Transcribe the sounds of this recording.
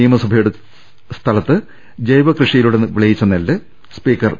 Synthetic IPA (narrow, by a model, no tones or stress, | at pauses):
ijɐmɐsɐbʱɐjuɽe | st̪ʰɐlɐt̪ːɨ | d͡ʑɐjʋɐkrɨʂɐjiluɽenʋiɭɐjit͡ɕːɐnɐlːɨ | spiːkːɐr